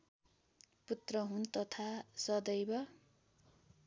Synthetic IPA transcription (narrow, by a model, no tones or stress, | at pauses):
put̪rʌɦunt̪ʌt̪ʰasʌd̪ʌjbʌ